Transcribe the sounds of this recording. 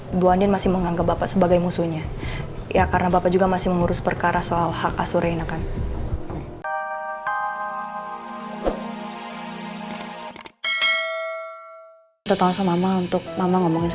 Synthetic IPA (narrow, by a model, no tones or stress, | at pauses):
duandɪnmasɪhməŋaŋɡap̚bapasəbaɡajmusuɲajʔakaɾənabapad͡ʒuɡamasɪhməŋuɾʊspərkaɾʔasoalhaka̰suɾʔajnakan | t̪ɔt̪aŋsɔmamaunt̪ʊk̚mamaŋɔmɔŋɪns